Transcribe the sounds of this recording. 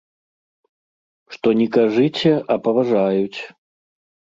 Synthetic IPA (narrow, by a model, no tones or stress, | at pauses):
ʂt̪ɔnʲɛkaʐɨt͡sʲɛʔɐpɐvaʐajut͡sʲ